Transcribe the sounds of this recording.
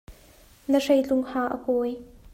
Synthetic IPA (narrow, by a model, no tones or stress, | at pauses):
nərejt͡ɬʊŋhaːʔəkɔːj